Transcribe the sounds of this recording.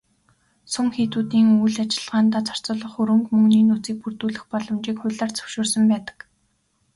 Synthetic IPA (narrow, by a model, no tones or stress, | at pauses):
sʊŋxiːt̪uːt̪iːŋujɮat͡ɕɪ̆ɮʁaːnt̪aːt͡sʰɔ̥r̥t͡sʊ̆ɮə̆χɵɾɵ̆ŋkmɵŋniːnut͡siːk̚pur̥t̪uːɮɘ̆xpɔɮɞ̆mt͡ɕiːkχʊɮaːrt͡sʰɵ̥wʃʊːrsə̆mpæːt̪ə̥̆k